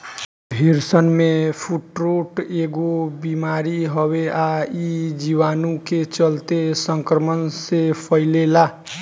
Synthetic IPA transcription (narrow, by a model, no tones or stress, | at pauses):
bʱiɾsənmepʰuʈɾoʈeɡobimaɾiɦəbeaid͡ʒiwanuket͡ʃəlt̪esəŋkɾəmənsepʰəɪlela